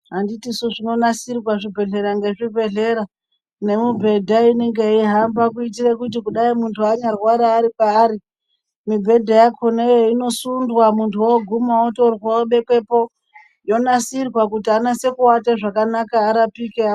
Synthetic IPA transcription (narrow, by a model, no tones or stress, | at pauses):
ɦanditisuʐino̞nasirwaʐibʱe̞ɮe̞ɾaŋɡe̞ʐibʱe̞ɮe̞ɾa | ne̞mibʱe̞dʱaine̞ŋɡe̞iɦambak̬uit̬irekut̬ikuɗaimuntʰuaɲarwaɾaːɾipaːɾi | mibʱe̞dʱajakʰonejeino̞sundwamuntʰuwoɡʱumaotorwwooɓe̞ke̞po̞ | jo̞nasirwakutianase̞kuwataʐakanakaːɾapike